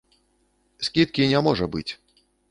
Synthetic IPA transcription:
sʲkʲit̪̚kʲinʲamɔʐɐbɨ̰t͡sʲ

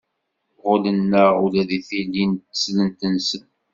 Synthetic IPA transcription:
ʁʊlənːəulæðiθilːint̪ːə̥slənt̪ənsən

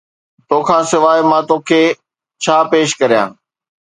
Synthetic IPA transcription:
t̪oːkʰãːsɪʋaːɪmãːt̪oːkʰeː | t͡ɕʰaːpeːʃkɐɾijã̰ː

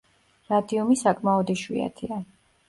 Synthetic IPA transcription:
ɾad̪iɔmisakʼmaɔd̪iʃwḭa̰t̪ʰia

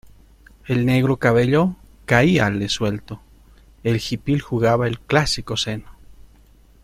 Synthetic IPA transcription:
elneɣɾokaβeʎo | kaialeswelt̪o | elxipilxuɣaβaelklasikoseno

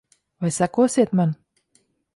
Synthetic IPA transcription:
vajsakuɔsiɛt̪man

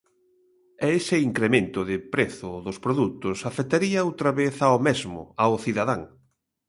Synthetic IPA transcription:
ɛesɪiŋkɾemẽnt̪ʊðɪpɾeθʊðʊspɾoðut̪ʊsafekt̪aɾiɐowt̪ɾaβeθaomezmʊ̰aʊθiðaðaŋ

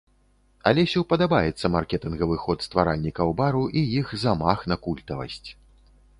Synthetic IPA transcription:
alʲɛsʲiwpɐd̪abajɛt̪sːɐmarkʲɛt̪ɨnɣɐvɨxɔt̪st̪vaɾalʲnʲikɐwbaɾuʔijixzamaxnɐkulʲt̪ɐvɐ̰sʲt͡sʲ

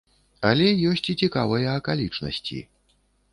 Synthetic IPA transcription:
ɐlʲɛjɔsʲt͡sʲit͡sʲikavɐjɐːkalʲit͡ʂnɐ̰sʲt͡sʲḭ

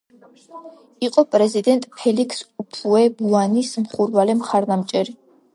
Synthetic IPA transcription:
iqʼɔpʼɾɛzid̪ɛnt̪ʼpʰɛlikʰsupʰuɛbuanismχuɾvalɛmχaɾd̪amt͡ʃʼɛɾi

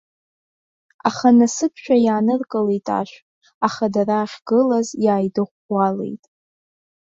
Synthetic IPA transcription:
aχanasɨt̚ʰʃʷᶣajaːnɨrkʼɨlejtʼa̰ʃʷᶣʼ | aχadaraːχʲɡ̥ɨlazjaːjdɨʁʷɡʷale̞̰jtʼ

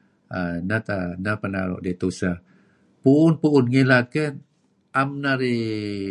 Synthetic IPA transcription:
anat̪anapəna̰ɾɔ̰ʔdet̪usa | puːnpuːnŋelat̪̚kən | amnaɾi

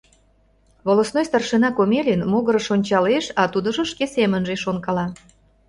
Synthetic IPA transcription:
βolosnojst̪ɑrʃenɑkomelʲenmoɣəɾə̆ʃonʲt͡ɕɑleʃɑt̪ud̪ə̆ʒə̆ʃkesemənʒeʃonkɑlɑ

